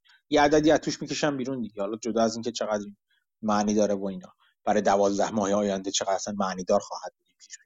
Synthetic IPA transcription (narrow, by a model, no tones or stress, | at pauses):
jeæd̪æd̪iːæzt̪ʰuːʃmicʰe̞ʃæmbiːɾund̪iɟehɒlɒd͡ʒo̞d̪ɒːæzinŋcʰe̞t͡ʃʰe̞ɣæd̪ɾi | mæʔniːd̪ɒːɾevoiːnɒː | b̥æɾɒːjed̪ævɒːzd̪æhmɒːheɒːjænd̪et͡ʃʰeɣæd̪æsænmæʔniːd̪ɒːɾxɒːhæd̪̚buːd̪iːmbʰiːɾu